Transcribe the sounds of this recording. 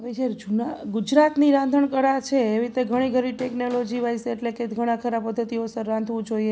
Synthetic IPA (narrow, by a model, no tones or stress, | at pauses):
ʋid͡ʒeɾd͡ʒunaɡud͡ʒɾat̪niɾãnd̪ʱəɳkəɾat͡ʃʰeːʋit̪eɡʱəɽ̃iɡʱəɾiʈeknolod͡ʒiʋajseːʈlekeɡʱəɽ̃akʰəɾabpəd̪ʱːət̪iosəɾːãnd̪ʱʋũd͡ʒoie